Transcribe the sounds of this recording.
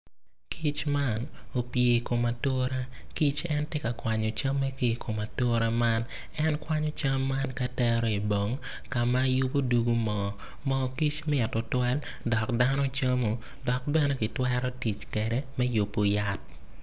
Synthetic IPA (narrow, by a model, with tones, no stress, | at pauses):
kʰi˦t͡ʃma˦no˨pje˨ko˨ma˨to˦ɾa˦ki˦t͡ʃɛ˦ntje˦ka˨kwa˨ɲɔ˨t͡ʃɐ˦mːɛ˦ke˦˨kʰo˨ma˨to˦ɾa˦ma˦n | ɛ˦nkwa˦ɲɔ˦t͡ʃɐ˦mːa˦nka˦tɛ˦ɾɔ˦i˨bo˨ŋ | ka˨ma˦ju˦po˦du˨ɡu˦mɔ˨ | mɔ˦ki˦t͡ʃmɛ˦a˨to˨twɛ˦l | dɔ˨kda˦nɔ˦t͡ʃɐ˦mo˨ | dɔ˨k̚bɛ˦nɛ˦ki˨twɛ˦ɾɔ˦ti˨t͡ʃkɛ˨ɾɛ˦mɛ˦ju˨po˦ja˦t̚